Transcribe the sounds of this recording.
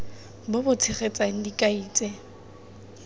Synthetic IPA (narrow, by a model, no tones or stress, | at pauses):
bʊbʊt͡sʰɪχet͡sʼaŋ̩dikʼaiːt͡sʼɛ